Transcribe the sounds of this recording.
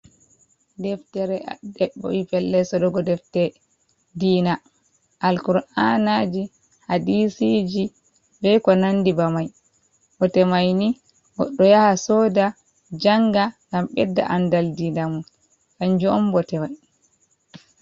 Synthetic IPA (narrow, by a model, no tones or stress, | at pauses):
dɛftɛɾɛdɛɓːɔ̰ipɛlːɛsɔɗɔɡɔdɛftɛ | diːna | ʔalkuɾanad͡ʒi | hadisid͡ʒi | bɛjkɔnandibamaj | bɔtɛmajni | ɡɔ̰ɗːɔjahasɔda | d͡ʒaŋɡaŋɡamɓɛdːa̰ʔandaldinamun | kand͡ʒɔɔmbɔtɛmaj